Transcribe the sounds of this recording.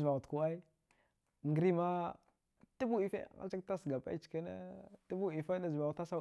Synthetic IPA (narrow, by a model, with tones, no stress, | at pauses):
za˨ɣu˨tku˦a˦i˦ | ŋɡə˦ɾi˦ma˦ | tə˦bu˦i˨fḛ˦˨ŋa̰˦t͡ʃa˦kta˦sɡa˨pa̰˦i˦t͡ʃka˦nḛ˦tə˦bu˦˨i˨fa˦da˦za˨ɣu˨ta˦sa˦